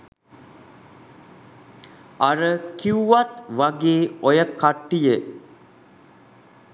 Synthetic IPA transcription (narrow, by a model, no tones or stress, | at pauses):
aɾəkiuʋat̪ʋaɡeːojəkaʈːijə